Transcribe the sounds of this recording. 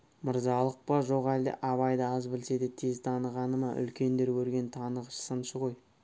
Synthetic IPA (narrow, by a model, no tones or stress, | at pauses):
məɾzɑlˠəq̚pɑʒo̞ʁɑjd̪ə̰ʔɑβɑjd̪əɑzbɪlse̞d̪ɪt̪ʰe̞zt̪ʰɑnəʁɑnəmɑʔʏ̰lkʲe̞nd̪e̞ɾwɵɾɡʲe̞nt̪ʰɑnəʁəʃsənʃəʁo̞j